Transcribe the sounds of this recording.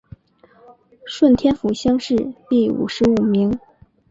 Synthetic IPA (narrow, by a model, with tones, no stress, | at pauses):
ʂwə˥˩nt̪ʰjɛ˥nfu˧˥ɕjɑ˥ŋʂɻ̩˥˧t̪i˥˩ṵ˨˩ʂɻ̩˧˥u˨˩mi˧˥ŋ